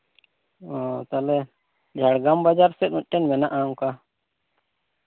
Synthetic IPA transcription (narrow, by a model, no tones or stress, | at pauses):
oːt̪alɛ | d͡ʒʱaɽɡambad͡ʒaɾsɛt̪ut̚ʈːenmɛnaʔaːmka